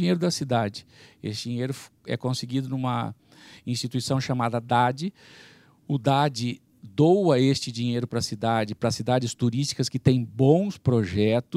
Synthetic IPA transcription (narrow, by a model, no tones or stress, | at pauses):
ĩɲejɾʊd̪ɐsid̪ad͡ʒɪḛsɪd͡ʒĩɲejɾʊf | ɛ̰kõsɪɡid̪ʊnũmɐ̰ | ĩst͡ʃit̪uisɐ̃w̃ʃamad̪ɐd̪ad͡ʒɪ | ʊd̪ad͡ʒɪ | d̪owɐest͡ʃɪd͡ʒiɲejɾʊpɾɐsid̪ad͡ʒɪpɾɐsid̪ad͡ʒɪst̪uɾist͡ʃi̥kɐskɪt̪ẽj̃bõw̃spɾoʒɛt̪ʊ